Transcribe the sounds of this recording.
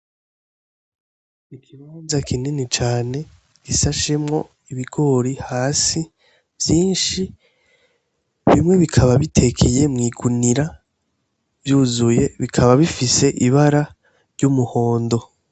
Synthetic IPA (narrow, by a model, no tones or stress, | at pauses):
ikʰiβaːnzakʰininit͡ʃaːne̞ | ɡ̥isaʃe̞mŋo̞̰ | iβiɡ̥o̞ɾihaːsi | v̥jiːnʃi | βimŋe̞βikʰaβaβitʰe̞kʰeje̞mŋiːɡuniɾa | vjuːzuje̞βikʰaβaβifise̞ʔiβaɾa | ɾɟumuho̞ːndo̞